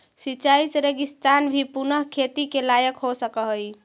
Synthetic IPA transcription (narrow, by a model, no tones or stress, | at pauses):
sit͡ʃaisɾeɡist̪anbʱipunəɦkʰet̪ikelajəkɦosəkəɦəj